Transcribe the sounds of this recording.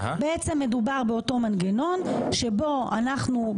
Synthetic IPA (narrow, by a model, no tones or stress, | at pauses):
beet͡se̞mːe̞dubaʁbe̞o̞to̞manɡeno̞nʃe̞bo̞a̰naχnu